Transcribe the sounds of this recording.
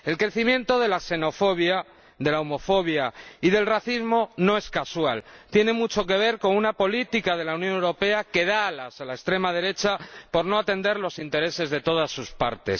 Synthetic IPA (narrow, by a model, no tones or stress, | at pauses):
e̞lkɾe̞θimje̞nt̪o̞ðe̞lase̞no̞fo̞β̞ja | ðe̞laomo̞fo̞β̞jaiðe̞lraθizmo̞no̞e̞skaswalt̪je̞ne̞mut͡ʃo̞ke̞β̞e̞ɾko̞nunapo̞lit̪ikað̞e̞launjonewɾo̞pe̞ake̞ðalasalaest̪ɾe̞mað̞e̞ɾe̞t͡ʃapo̞ɾnoat̪e̞nd̪e̞ɾlo̞sint̪e̞ɾe̞se̞zðe̞t̪o̞ð̞asːuspa̰ɾt̪e̞̰s